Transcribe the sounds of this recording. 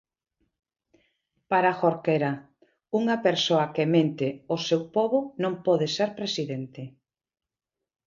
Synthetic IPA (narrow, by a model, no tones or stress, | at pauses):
paɾaxoɾkeɾa | uŋɐpeɾsoɐkemẽnt̪eosewpɔβonõmpɔðeseɾpɾesiðent̪ɪ